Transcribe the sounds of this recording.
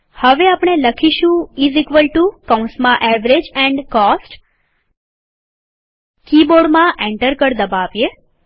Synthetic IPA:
həʋeapɳ̃eləkʰiʃũizikʋəlʈukaũnsmãʔɛʋɾed͡ʒɛ̃ɳɖkɔsʈ | kiboɽmãʔẽɳʈəɾkəɾd̪əbaʋje

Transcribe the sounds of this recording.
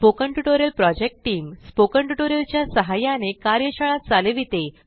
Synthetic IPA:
pokəɳʈuʈoɾjəlpɾɔd͡ʑek̚ʈʈːiːmspokəɳʈuʈoɾjəlt͡ɕjasəɦajanekaɾjəɕəɭat̪̚d͡zaleʋit̪e

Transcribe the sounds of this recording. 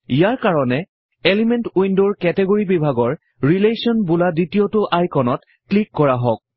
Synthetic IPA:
ijaɹkaɹɔnɛ | elimɛntujndoɹkɛtɛɡoɹibibʱaɡɔɹ | ɹilesiɔnbuladitijotʊʔajkɔnɔt | klikːɔɹaɦɔk̚

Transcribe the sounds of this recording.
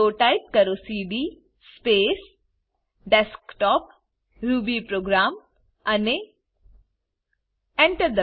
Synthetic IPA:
oːʈaɪp̚kɐɾoːsiːɖiː | speːs | ɖɛskʈɔːp | ɾuːbipɾoːɡɾaːm | ɐne | ɛ̃ɳʈəɾd̪ə

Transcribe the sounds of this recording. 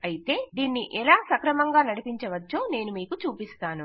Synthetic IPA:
ɐjit̪e̞ːd̪iːnːiʔɛlaːsɐkɾɐmɐŋɡaːnɐɽipiɲt͡ʃɐʋɐt͡ʃːo̞ːne̞ːnumiːkut͡ʃuːpist̪aːnu

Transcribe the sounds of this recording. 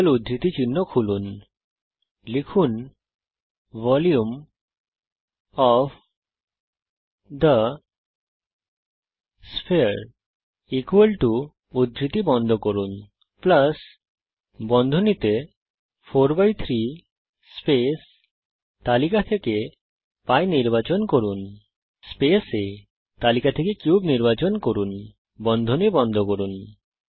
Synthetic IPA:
lud̪ʱɾit̪it͡ɕinːokʰulun | lekʰun | vɔljum | ɔf | d̪ə | spʰeɾ | ikuwəlʈu | ud̪ʱːɾit̪ibɔnd̪ʱokoɾun | plas | bɔnd̪ʱonit̪e | pʰoɾbajt̪ʰɾi | spes | t̪alikat̪ʰeke | pajniɾbat͡ɕonkoɾun | spese | t̪alikat̪ʰekekjuubniɾbat͡ɕonkoɾun | bɔnd̪ʱonibɔnd̪ʱokoɾun

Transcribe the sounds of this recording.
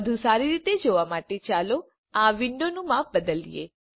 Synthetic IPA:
əd̪ʱũsaɾiɾit̪ed͡ʒoʋamaʈet͡ʃalo | aʋɪɳɖonũmãp̚bəd̪əlḭjḛ

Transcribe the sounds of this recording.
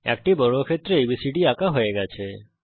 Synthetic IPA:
ɛ̰kʈibɔɽokʰet̪ːɾeibisiɖiakaɦojeɡɛt͡ʃʰe

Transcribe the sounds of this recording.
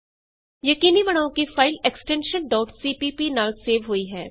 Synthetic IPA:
jɐkiːnibɐɽ̃aːõkifaːɪleksʈɛ̃ːnʃənɖɔːʈsiːpiːpinaːlseːʋɦuiɦɛː

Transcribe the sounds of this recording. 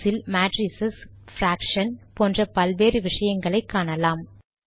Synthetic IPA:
sɪlmaːʈɾisɐsfɾaːkʂɐnpoːndrɐpɐlʋeːrɯʋɪʂɐjɐŋɡɐɭɐɪkːaːɳɐlaːm

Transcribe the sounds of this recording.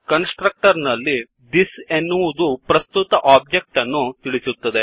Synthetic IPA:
kɐnsʈɾɐk̚ʈɐɾnɐlːi | d̪isenːuʋud̪upɾɐst̪ut̪ɐʔaːb̚d͡ʒek̚ʈɐnːut̪iɭisut̪ːɐd̪e

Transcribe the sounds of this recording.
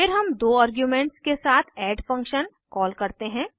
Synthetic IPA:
fɪɾɦɐmd̪oːaːɾɡjumɛ̃ːɳʈskesaːt̪ʰɛːɖfɐ̃ŋkʃən | kɔːlkɐɾt̪eɦɛ̃ː

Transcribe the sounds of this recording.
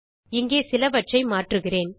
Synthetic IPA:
ɪŋɡeːsɪlɐʋɐʈt͡ʃɐɪmaːʈrɯɣɪreːn

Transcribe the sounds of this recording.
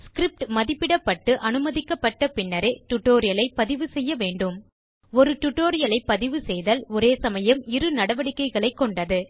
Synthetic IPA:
skɾɪp̚ʈmɐðɪpːɪɽɐpːɐʈːɯʔɐnɯmɐðɪkːɐpːɐʈːɐpɪɳːɐɾeʈʊʈːoːɾɪjɐlɐɪpːɐðɪʋɯsɛjːɐʋeːɳɖɯm | ɔɾɯʈʊʈːoːɾɪjɐlɐɪpːɐðɪʋɯsɛjðɐlɔɾeːsɐmɐjɐmɪɾɯnɐɽɐʋɐɽɪkːɐɪɣɐɭɐɪkːɔɳɖɐðɯ

